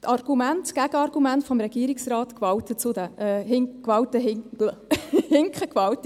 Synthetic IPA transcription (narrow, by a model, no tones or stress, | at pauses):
tʰɑrɡ̥umæntɡ̥æɡ̥əɑrɡ̥umæntfɔmɾɛɡ̥iːɾiksrɑːtkʋɑwtət͡sʊd̪əhɪŋkʋɑwtəɦɪ | hɪŋkχəkʋɑwtə